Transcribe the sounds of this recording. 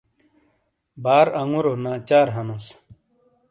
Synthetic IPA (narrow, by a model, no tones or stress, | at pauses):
baːɾɐŋuɾonaːt͡ɕaːɾɦɐnus